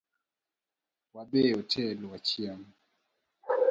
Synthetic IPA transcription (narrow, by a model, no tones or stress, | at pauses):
wabeɔtʰɛlwat͡ʃjam